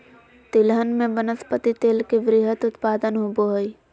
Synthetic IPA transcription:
t̪ɪlɦənmẽbənəspət̪it̪eːlkeʋɾɪɦət̪ʊt̪paːd̪ənɦoboɦoi

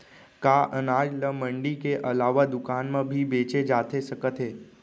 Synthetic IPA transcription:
kaːʔənaːd͡ʒləmə̃ɳɖikeʔɐlaːʋad̪ʊkaːnmẽbʱibeːt͡ʃed͡ʒaːt̪esɐkət̪ɦeː

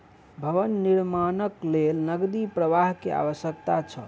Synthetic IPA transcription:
bʱəʋənːiɾmanəklelnəɡd̪ipɾəʋaɦkea̰βəsjək̚t̪at͡ʃʰə̰

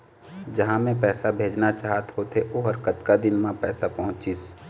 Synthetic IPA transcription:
d͡ʒɐɦãmẽpɛːsabʱeːd͡ʒnat͡ʃaːɦt̪ɦoːt̪eʔoɦɐɾkət̪kad̪ɪnmãpɛːsapɐɦʊ̃t͡ʃis

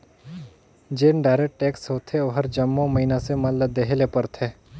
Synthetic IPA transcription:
d͡ʒeːnɖaɪɾekʈ̚ʈːeːksɦoːt̪ʰeoːɦɐɾd͡ʒɐmːõməɦinasemɐt̪ləb̚d̪eɦelepɐɾt̪ʰeː

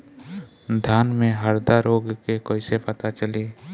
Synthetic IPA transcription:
d̪ʱjaːnmẽɦəɾd̪aɾoːɡkekoːisepət̪at͡ʃəliː

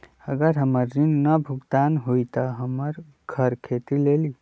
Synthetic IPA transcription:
əɡəɾɦəməɾːinːəbʱuɡt̪anɦoit̪əɦəməɾ | ɡʱəɾkʰet̪ileli

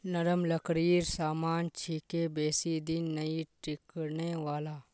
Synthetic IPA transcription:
nɐɾəmlɐkɾiːɾsaːmaːnt͡ʃʰikebeːsid̪ɪnːɐiʈɾɪkneʋaːlaː

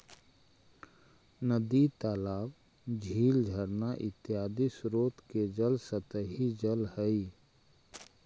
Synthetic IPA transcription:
nəd̪it̪aːlaːw | d͡ʒʱiːld͡ʒʱəɾnaʔɪt̪ɪjaːd̪isɾoːt̪ked͡ʒəlsət̪əɦid͡ʒəlhɛi

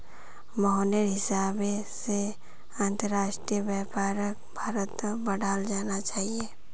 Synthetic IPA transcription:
mɔɦɔneɾɦɪsaːbese | ə̃nt̪əɾaːʃʈɾijəbjɛpaːɾək̚bʱaːɾət̪ːbɐɽʱaːld͡ʒaːnat͡ʃaːɦieː

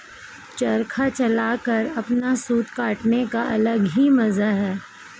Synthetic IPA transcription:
t͡ʃɐɾkʰat͡ʃɐlaːkɐɾɐpnasuːt̪kaːʈnekaʔɐ̰ləɡɦimɐzaɦɛː

